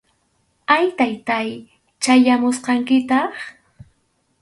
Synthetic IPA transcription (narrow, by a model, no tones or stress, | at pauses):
ajt̪ajt̪aj | t͡ʃajamʊsqɑŋkɪt̪ɑχ